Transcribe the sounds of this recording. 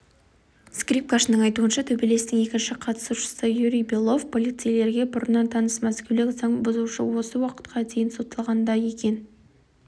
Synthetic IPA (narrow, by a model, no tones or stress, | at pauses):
skrip̚kaʃənəɴɑjt̪uənʃɑt̪ʰɵbe̞le̞st̪ɪŋe̞kʲɪnʃɪqʰɑt̪ə̥suʃə̥səjuɾʲijbelˠo̞vpʰo̞lijt̪sɨjle̞ɾɡʲe̞bʊɾənːɑnt̪ʰɑnəsmæskʲewlɪkʲzɑɴbʊzuʃə̰wo̞səwɑqə̥t̪̚qʰɑd̪ʰe̞jɪnsot̪əlˠʁɑnd̪ɑje̞kʲe̞n